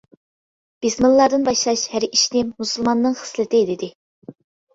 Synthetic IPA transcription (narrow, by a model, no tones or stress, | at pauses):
b̥esmɨllˠɑd̪ɨnbɑʃlˠɑʃhæɾiʃnɪmmusulˠmɑnːɨŋχə̥slɨt̪ɪd̪ɪd̪ɪ